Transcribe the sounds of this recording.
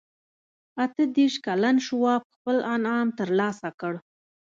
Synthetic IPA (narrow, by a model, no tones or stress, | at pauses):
at̪əd̪eʃkalanʃwɑp̚xpəlanɑmt̪əɾlɑsakəɽ